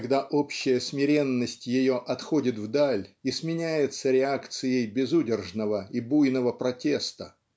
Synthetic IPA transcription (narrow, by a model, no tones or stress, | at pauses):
ɐɡd̪aʔo̞pɕːɪjəsmʲɪɾʲe̞nːəsʲtʲjɪjo̞ʔɐt̪xo̞dʲɪt̪vd̪alʲismʲɪnʲæjɪt̪səɾʲɪakt̪sɨjəjbʲɪzudʲɪrʐnəvəibujnəvəpɾɐtʲe̞st̪ə